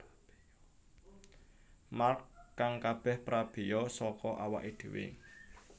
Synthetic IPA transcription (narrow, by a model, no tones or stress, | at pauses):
markːaŋkab̥ɛ̤hpɾʔab̥e̤jɔsɔkɔʔawa̰ʔid̪̥e̤wḛ